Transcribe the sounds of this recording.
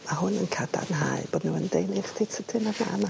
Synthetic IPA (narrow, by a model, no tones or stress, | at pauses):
ahʊnənkʰada̰nɦa̰ɨb̥oːdnuːəndejnɪχtʰejtʰətʰɪnanama